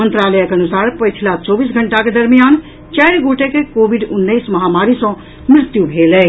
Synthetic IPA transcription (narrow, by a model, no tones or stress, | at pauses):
ənt̪ɾaːləjəkeɐnusaːɾpəjt͡ʃʰilat͡ʃɔbiːsɡʱəɳʈaked̪əɾmijan | t͡ʃɛjɾɡoʈekekobʱiɖʊnːəismɐɦamaɾisɔ̃ | mɾɪt̪jubʱelɛ